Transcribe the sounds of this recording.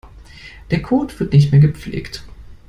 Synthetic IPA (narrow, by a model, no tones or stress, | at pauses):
d̥eːɐkʰoːtv̥ɪɐtnɪçtmeːɐɡəp͡flḛːkt